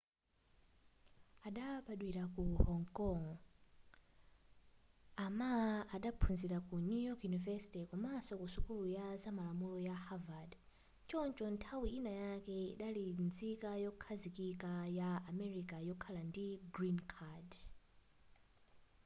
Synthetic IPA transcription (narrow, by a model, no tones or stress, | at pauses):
aɗaɓaɗwiɾakuhɔŋkɔŋ | amaaɗapʰunziɾakunujɔkʰjunivɛsi̥tɛkumasɔkusukulujazamalamulɔjahavad | t͡ʃɔnt͡ʃɔntʰawiinajakɛḭɗalind͡zikajɔkʰazikikajaːmɛɾikajɔkʰalandiɡɾinkʰad